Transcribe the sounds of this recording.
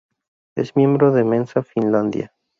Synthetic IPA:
ezmje̞mbɾoðe̞mẽnsafinland̪ja̰

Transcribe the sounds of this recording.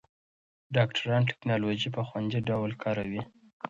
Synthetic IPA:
ɖɑkʈʰaɾɑnʈe̥knɑloʒipəxwand͡ʒiɖawlkʰɑɾawi

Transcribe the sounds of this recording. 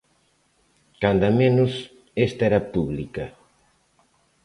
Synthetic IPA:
kand̪ɐmẽnʊs | est̪ɐɛɾɐpuβlikɐ

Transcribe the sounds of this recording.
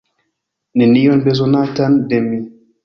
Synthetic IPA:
nɛnijɔnbez̬ɔnatandɛmi

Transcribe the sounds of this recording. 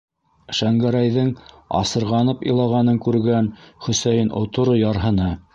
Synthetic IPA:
ʃæŋɡæɾæjðɘŋ | ɑ̰sɤ̆ɾʁɑnɤpḭ̆lˠɑʁɑnɤŋkʉɾɡænχɵ̆sæjɘnʔŏ̰t̪ŏɾojɑɾɦɤ̆nɤ

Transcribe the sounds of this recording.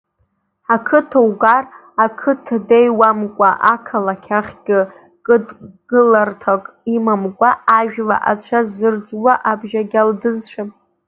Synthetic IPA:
akʰɨtʰawɡar | akʰɨtʰdejwamkʷʼaʔakʰalakʲʰaχʲɡʲɪ | kʼɨdɡɨlartʰakʼimamkʷʼaʔaʒᶣla̰ʔat͡ʃʷʰazɨrd͡zwaʔabʒaɡʲaldɨzʃʷʰapʼ

